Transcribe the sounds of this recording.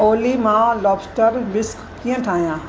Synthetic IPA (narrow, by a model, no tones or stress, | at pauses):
oːlimãːlɔːbsʈəɾbɪskkijə̃ʈʰaːjãː